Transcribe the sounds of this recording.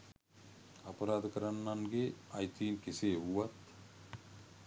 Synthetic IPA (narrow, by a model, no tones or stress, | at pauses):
apɐɾaːd̪əkəɾanːaŋɡeajt̪iːnkeseːɦuʋat̪